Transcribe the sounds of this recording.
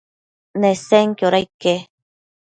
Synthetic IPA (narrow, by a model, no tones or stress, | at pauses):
neseŋkjoɾajke